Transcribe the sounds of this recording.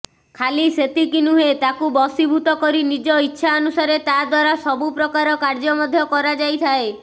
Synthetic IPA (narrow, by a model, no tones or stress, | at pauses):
kʰaliset̪ikinuɦet̪akubɔsibʱut̪ɔkɔɾinid͡ʒɔitːʃʰaɔnusaɾet̪ad̪waɾasɔbupɾɔkaɾɔkaɾd͡ʒɔmɔd̪ʱjɔkɔɾad͡ʒajt̪ʰae